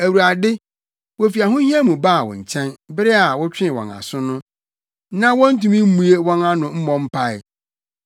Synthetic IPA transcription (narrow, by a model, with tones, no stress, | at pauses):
æ˨wu˨ɾa˨dɪ˦ | wɔ˨fi˨a˨ɦʊ̃˦hĩ˦a˦mũ˨baː˦˨wɔ̰̃˨ɲ̩˨t͡ɕʰɛ̃˦nbɪ˦ɾɪ˦a˨wɔ˦t͡ɕᶣɪ̃˦˨wɔ̰̃˨na̰˨sʊ̃˦nʊ̃˦ | nã˦wɔ̃˦n̩˦tũ˨mĩ˦m̩˦mũ˨e˦wɔ̃˦nã˦nʊ̃˨m̩˦mɔ̃˦m̩˦pʰa˦ɪ˦˨